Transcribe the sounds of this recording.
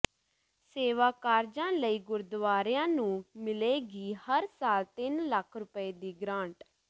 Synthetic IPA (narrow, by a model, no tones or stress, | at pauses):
seːʋaːkaːɾd͡ʒãːləiːɡʊɾd̪ʋaːɾɪjãːnũːmɪleːɡiːhəɾsaːlt̪ɪnləkʰɾʊpəeːd̪iːɡɾãːɳʈ